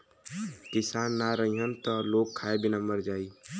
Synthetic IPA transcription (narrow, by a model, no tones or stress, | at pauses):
kɪsaːnːaɾəɦĩɦənt̪ɔloːɡ̚kʰːaːebʱinaməɾd͡ʒaːi